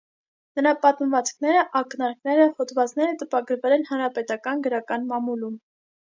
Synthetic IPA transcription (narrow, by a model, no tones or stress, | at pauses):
nəɾɑpɑt̪məvɑt͡skʰnɛɾəʔɑknɑɾknɛɾəhɔt̪vɑt͡sn̪ɛɾət̪əpɑɡəɾvɛlɛn̪hɑnɾɑpɛt̪ɑkɑnɡəɾɑkɑnmɑmulum